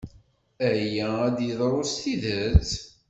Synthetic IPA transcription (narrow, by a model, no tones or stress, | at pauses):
æjææd̪jəðˤɾˤost̪iðət͡s